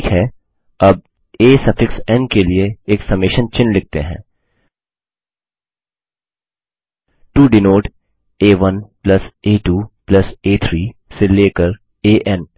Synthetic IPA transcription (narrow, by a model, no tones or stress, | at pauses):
kɦɛ | ɐb̚ | eːsɐfɪksɛ̃nkelieːksɐmɪʃənt͡ʃɪ̃nlɪk̚t̪ḛɦɛ̰̃ː | ʈuːɖɪnoːʈ | eːʋɐnplɐseːʈuːplɐseːt̪ʰɾiːseleːkəɾ | eːʔɛn